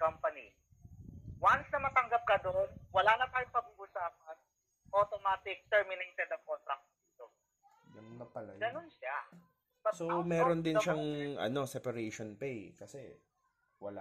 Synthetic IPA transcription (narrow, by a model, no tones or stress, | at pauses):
kɐmpɐni | wansnɐmɐt̪ɐŋɡap̚kɐd̪oʔonwɐlaːnɐt̪aːjʊŋpɐɡuɡʊsaːp̚ɐn | ʔot̪omaːt̪ɪk̚t̪ɛɹmɪnejt̪ɛd̪ɐŋkont̪ɾɐk̪̚d̪iːt̪o | jʊŋnɐpɐlɐjɡɐnonʃa | ɐsomɛːɾond̪ɪnʃaŋʔɐ̰no̞sɛpɐɾeʃonpejkɐsɛ | wɐla̰